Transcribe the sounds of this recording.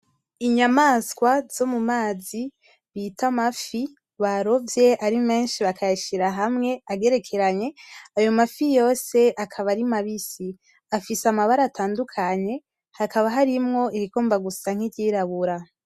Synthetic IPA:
iɲamaːskwaz̥o̞mumaːzi | βitʰamafi | βaɾo̞vje̞ʔaɾime̞ːnʃiβakʰajaʃiɾaɦamŋe̞aɡe̞ɾe̞kʰe̞ɾaɲe̞ajo̞mafijo̞ːse̞ʔakʰaβaɾimaβisi | afisamaβaɾaːtʰaːndukʰaɲe̞ | hakaβaɦaɾimŋo̞ʔiβiɡoːmbaɡusaŋ̥hidɟiːɾaβuɾa

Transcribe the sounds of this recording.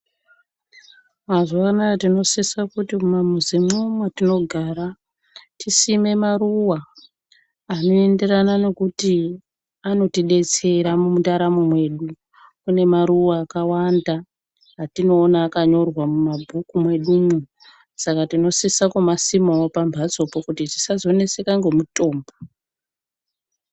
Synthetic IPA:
mazoanaatino̞sisakutikumamuzemomwatino̞ɡʱaɾa | tisime̞maruwaː | no̞e̞nde̞ranane̞kuti | ano̞tiɗe̞t͡se̞ɾamumutaɾamumwe̞ɗu | kune̞maɾuwaːkawandaː | tino̞ːnaːkaɲo̞rwamumabʱukumwe̞ɗumu | sakatino̞sisakomasimoopambʱat͡so̞pokutiti̥sazo̞ne̞se̞kaŋɡe̞muto̞ːmba

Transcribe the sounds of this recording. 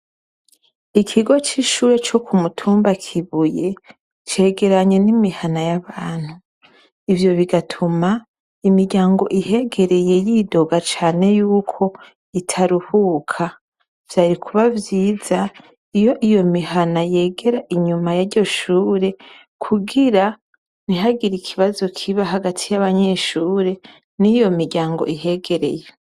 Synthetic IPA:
ikʰiɡo̞t͡ʃiʃuːɾe̞t͡ʃo̞kʰumutʰuːmbakʰiβuje̞ | t͡ʃe̞ːɡe̞ɾaɲe̞nimihanajaβaːn̥hu | ivjo̞βiɡatʰuma | imiɾɟaːŋɡo̞̰ʔiɦe̞ɡe̞ɾe̞je̞jido̞ɡat͡ʃaːne̞juːkʰo̞ | itʰaɾuhukʰa | v̥jaːɾikʰuβavjiːz̥a | ijo̞ʔijo̞miɦanaje̞ːɡe̞ɾaʔiɲumajaɾɟo̞ʃuːɾe̞ | kʰuɡiɾa | niɦaɡiɾikʰiβazo̞kʰiβaɦaɡatʰijaβaɲe̞ʃuːɾe̞ | nijo̞miɾɟaːŋɡo̰iɦe̞ːɡe̞ɾe̞̰je

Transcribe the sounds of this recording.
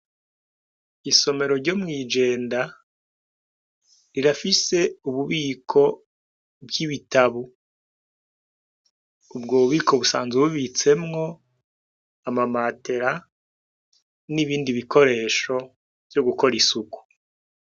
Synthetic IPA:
iso̞me̞ɾo̞ɾɟo̞mŋiːd͡ʒe̞ːnda | ɾiɾafise̞uβuβiːkʰo̞ | bɡiβitaβu | bɡoβuβiːkʰo̞βusa̰ːnzeβuβit͡se̞mŋo̞ | amamate̞ɾa | niβiːndiβikʰo̞ɾe̞ːʃo̞ | vɟo̞ɡuko̞ɾisuku̥

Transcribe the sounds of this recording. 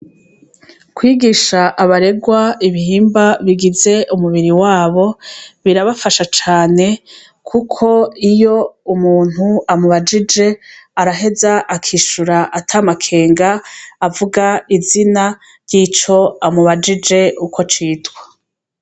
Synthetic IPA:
kwiːɡiʃaʔːβaɾe̞ɡwaiβihiːmbaβiɡize̞ʔumuβiɾiwaːβo̞βiɾaβafaʃat͡ʃaːne̞ | kʰukʰo̞ijo̞umuːn̥huamuβad͡ʒid͡ʒe̞aɾaɦe̞zaʔakʰiːʃuɾaʔatʰamakʰe̞ːŋɡaːvuɡaizina | ɾjiːt͡ʃo̞amuβad͡ʒid͡ʒe̞ukʰo̞t͡ʃiːtwḁ

